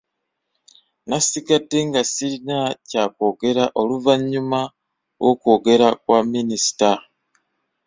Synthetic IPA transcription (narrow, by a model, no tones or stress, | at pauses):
nasiɡadːe̞ŋɡasiinacako̞ːɡe̞ɾaʔo̞luvaɲuma | wʔokwo̞ːɡe̞ɾakwaminisi̥ta